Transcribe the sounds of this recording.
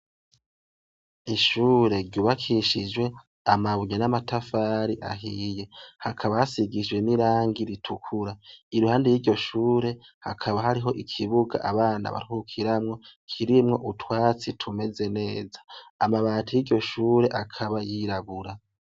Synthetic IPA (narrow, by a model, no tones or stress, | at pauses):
iʃuːɾe̞ɾɟuβakʰiʃid͡ʒwe̞ | amaβuɲanamatʰafaːɾiʔa̰ɦiːje̞hakʰaβahasiɡid͡ʒɡwe̞niɾaːŋɡiɾitʰukʰuɾaiɾuhaːndijiːɾɟo̞ʃuːɾe̞hakʰaβaɦaɾiɦo̞ʔikʰiβuɡa̰ʔaβaːna̰βa̰ɾuhukʰiɾamŋo̞kʰiɾimŋo̞̰ʔutwaːt͡sitʰume̞ze̞ne̞ːzḁːmaβaːtʰujiɾɟo̞ʃuːɾe̞ʔakʰaβajiɾaβuɾa